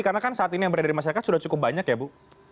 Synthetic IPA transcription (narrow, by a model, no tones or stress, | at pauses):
karnakansaat̪inijaŋbərdaɾimaʃaɾakat̪sudaht͡ʃukʊp̚baɲakjabu